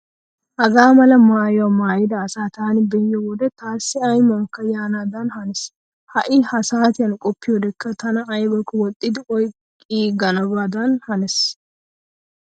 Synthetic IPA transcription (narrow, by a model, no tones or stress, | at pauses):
ʔɐɡaːmɐlɐmaːjɪwɐmaːjɪd̪ɐːsaːt̪aːnɪbɛjːɔbɔd̪ɛt̪aːsːɪɐjmɐŋkːɐjaːnaːd̪anhɐnɛs | hɐʔɪhɐsaːt̪ɪjɐnkʼɔpːɪjɔd̪ɛkːɐt̪ʰɐnɐʔɐjbɐkːɔwɔt̪ʼːɪd̪ɪɔjkʼːiːɡɐnɐbaːd̪anhɐnɛs